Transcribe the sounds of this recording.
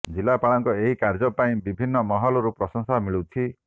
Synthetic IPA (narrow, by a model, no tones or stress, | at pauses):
d͡ʒilapaɭɔŋkɔeɦikaɾd͡ʒɔpaĩbibʱinːɔmɔɦɔlɔɾupɾɔsɔŋsamiɭut̪ʰi